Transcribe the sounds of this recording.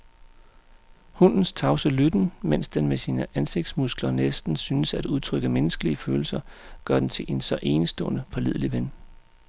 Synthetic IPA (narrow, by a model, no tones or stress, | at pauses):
hunn̩st͡sʰɑ̈ʊsəlyd̥n̩men̰sd̥enmesiːnəʔænse̝ɡ̥̚d̥smusɡ̥lɐnesd̥n̩syːnəsæd̥uð̞ˠt͡sʰʁœɡ̥əmenəsɡ̥əliəføːl̩sɐɡ̥ɶɐdent͡sʰe̝lʔe̝nsɒ̽ʔe̝ːnəsd̥ɔ̽ːnəpʰɑ̈liðˠliʋen